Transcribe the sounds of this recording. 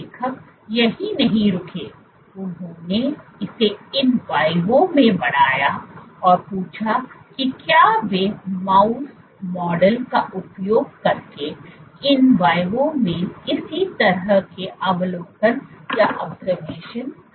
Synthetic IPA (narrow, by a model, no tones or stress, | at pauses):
ekʰək | jɐɦinɐɦĩɾʊkʰeː | ʊnɦõːneɪseɪnʋaːɪʋõmẽbɐɽ̤̃aːjaɔːɾpuːt͡ʃʰakikjaːʋemaːʊs | mɔːɖəlkaʔʊpjoːɡ̚kɐɾkeɪnʋaːɪʋõmẽɪsit̪ɐɾəɦkeʔɐʋloːpənjaʔɔːbzəɾmeːʃən